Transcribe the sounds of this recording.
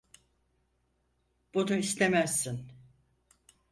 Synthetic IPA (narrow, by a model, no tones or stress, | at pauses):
b̥unuislemæsːin